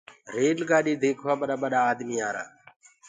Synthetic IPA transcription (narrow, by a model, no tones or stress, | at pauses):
ɾeːlɡaːɗiːd̪eːkʰʋaːɓəɗaːɓəɗaːd̪miːaːɾa̰ː